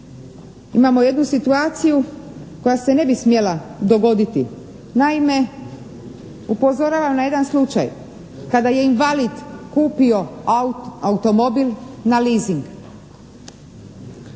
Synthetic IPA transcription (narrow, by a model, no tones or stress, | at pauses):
imamo̞je̞d̪nusit̪uaːt̪sijuko̞jase̞ne̞bismje̞lad̪o̞ɡo̞d̪it̪i | naime̞ | upo̞zo̞ɾaːʋamnaje̞d̪anslˠut͡ʃa̰j | kad̪aje̞inʋalid̪kuːpio̞ | aut̪o̞mo̞bilʲnaliːziŋɡ